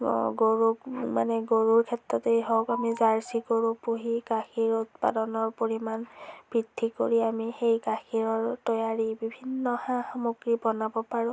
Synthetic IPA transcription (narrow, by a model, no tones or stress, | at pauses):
ɡoɹumanɛɡoɹuɹkʰɛtɹɔtejɦɔwkamizaɹsikoɹupuɦikaxiɹutpa̰dɔnɔɹpoɹimanb̥ɹidʰʱːiko̰ɹiamixejkaxʰiɹɔɹtɔjaɹibibʱinːɔhãxɔmuɡɹibɔnabɔpaɹʊ̃